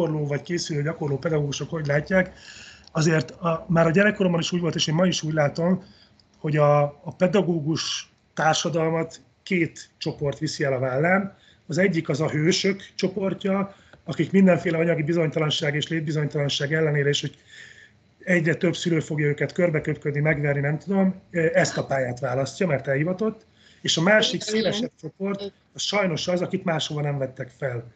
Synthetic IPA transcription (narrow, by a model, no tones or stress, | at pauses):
orloːvɒckeːsyløːɟɒko̞rloːpɛd̪ɒɡoːɡuʃo̞kho̞ɟlaːcːaːkɒzeːrt̪ɒmaːɾɒɟɛɾɛkːoɾombɒniʃuːɟʋo̞lt̪eːʃeːmɒiʃuːɟlaːt̪o̞m | ho̞ɟɒːpɛd̪ɒɡoːɡuʃ | t̪aːrʃɒd̪ɒlmɒt̪ | keːt̪t͡ʃo̞po̞rt̪ʋisiɛlɒvaːlːaːm | ɒzɛɟːikɒzɒɦøːʃøkt͡ʃo̞po̞rcɒɒkikmind̪ɛɱfeːlɛɒɲɒɡibizo̞ɲt̪ɒlɒnʃaːɡeːʃleːd̪̚bizo̞ɲt̪ɒlɒnʃaːɡɛlːɛneːɾɛeːʃho̞ɟ | ɛɟrɛt̪ø̞bsyløːfo̞ɡjɒøːkɛt̪kørbɛkøpkød̪nimɛɡʋɛrninɛmt̪ud̪o̞mɛst̪ɒpaːjaːt̪ʋaːlɒscɒmɛrt̪ɛlhivɒt̪o̞t̪ː | eːʃɒmaːʃikseːvɛʃɛp̚t͡ʃo̞po̞rt̪ | sʃɒjno̞ʃɒzɒkit̪maːʃhovɒnɛɱvɛt̪ːɛkfɛl